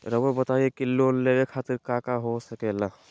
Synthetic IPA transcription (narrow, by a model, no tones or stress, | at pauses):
ɾəbobət̪aːiekiloːnleːɡekʰaːt̪ɪɾkaːkaɦosɐkela